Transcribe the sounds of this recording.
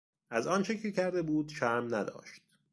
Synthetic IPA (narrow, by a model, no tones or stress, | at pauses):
ʔæzɒːnt͡ʃʰecʰecʰæɾd̪ebuːd̪ʃæɾmnæd̪ɒ̰ːʃt̪̚